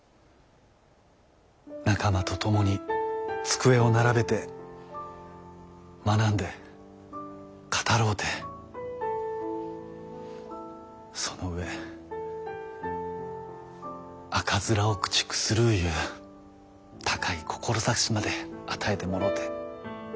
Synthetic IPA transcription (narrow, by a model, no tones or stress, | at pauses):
nakamat̪o̞t̪o̞mo̞ɲ̟it͡sɨ̥kɯ̟e̞o̞naɾabe̞t̪e̞ | manãnd̪e̞ | kʰḁt̪aɾo̞ːt̪ʰe | so̞no̞ɯ̟e̞ | akazɨɾaokɯ̥t͡ɕi̥kɯ̟̥sɨɾɯ̟jɯ̟ː | t̪ʰḁkaikʰo̞̥kʰo̞ɾo̞sakɕimad̪e̞at̪ʰae̞t̪e̞mo̞ɾo̞ːt̪ʰe